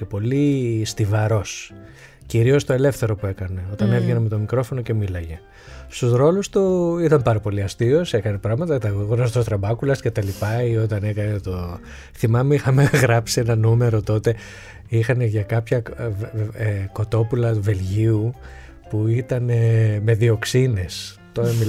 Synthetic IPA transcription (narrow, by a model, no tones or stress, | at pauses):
ce̞po̞list̪ivɐɾo̞s | ciɾio̞st̪o̞e̞le̞fθe̞ɾo̞pue̞kɐne̞o̞t̪ɐne̞vʝeneme̞t̪o̞mikɾo̞fo̞no̞ce̞milɐʝe̞ | st̪uzɾo̞lust̪uit̪ɐmpɐɾɐpo̞liɐst̪io̞se̞kɐnepɾɐɣmɐt̪ɐɐt̪ɐɣoɣonɐst̪ost̪ɾɐbɐkulɐsce̞t̪ɐlipɐio̞t̪ɐne̞kɐnet̪o | θimɐmeixɐme̞ɣɾɐpsienɐnume̞ɾo̞t̪o̞t̪e̞ | ixɐne̞ʝɐkɐpçɐ | ko̞t̪o̞pulɐuve̞lʝiu | puit̪ɐneme̞ðio̞ksine̞s | t̪oɐmi